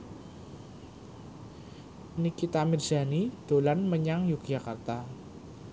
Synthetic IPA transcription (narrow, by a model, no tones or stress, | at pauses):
ənikit̪amɪrz̥a̤nid̪̥o̤lanməɲaŋjukʒa̤kart̪a